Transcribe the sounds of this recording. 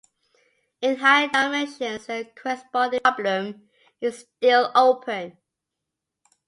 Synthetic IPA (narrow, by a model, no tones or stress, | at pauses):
ɪ̃ntʰaɪədaɪmɛ̃nʃə̃nsəkʰɹɛsbɔ̃ndɪ̃blə̃m | ɪzstɪlˠoʊpʰə̃n